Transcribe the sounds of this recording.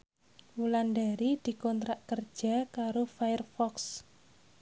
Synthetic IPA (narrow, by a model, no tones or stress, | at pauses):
wulandaɾid̪̥i̤kɔnt̪ɾaʔkərd̥ʒ̥a̤kaɾofajərfɔks